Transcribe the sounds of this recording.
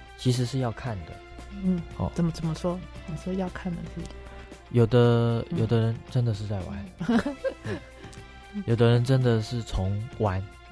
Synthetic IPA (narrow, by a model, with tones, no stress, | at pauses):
t͡ɕʰi˧˥ʂ̬ɻ̩˧˥ʂɻ̩˥˧jɑ˥˧ʊkʰa˥˩nd̪ə̰˩ | n̩˥˩xɔ̰˥˩t͡sə˨˩mə˦t͡sə˨˩mə˦ʂwɔ˥ni˨˩ʂwɔ˥jɑ˥˧ʊkʰa˥˩nd̪ə˨˩t͡s̩˥˩d̪ə˨˩jo˨˩ʊd̪ə˦jo̰˨˩ʊd̪ə˦ɻə˧˦nʈ͡ʂə˦˥nd̪ə˨ʂ̬ɻ̩˥˧t͡sa˥˩ɪwa˧˦n | twe˥ | jo˨˩ʊd̪ə˦ɻə˧˦nʈ͡ʂə˦˥nd̪ə˨ʂɻ̩˥˩t͡sʰʊ˧˥ŋwa˧˥n